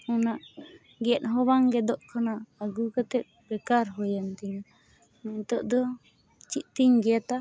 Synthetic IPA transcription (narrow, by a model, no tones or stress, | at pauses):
ɔnaʔ | ɡɛʔ̪ˀɦɔbaŋɡɛd̪ɔʔkʰanaːɡukat̪ɛt̪̚pɾɛkaɾɦɔjant̪ɛɲ | nɛɲt̪ɔʔd̪ɔ | t͡ʃit̪̚t̪iɲɡɛat̪a